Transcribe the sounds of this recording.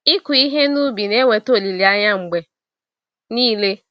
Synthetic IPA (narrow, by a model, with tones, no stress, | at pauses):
i˦ku˨i˦ɦe˦nu˦bi˨ne˦we˨to˨li˨li˨a˦ɲa˦ŋ͡m̩˨ɡ͡be˨ | niː˦le˦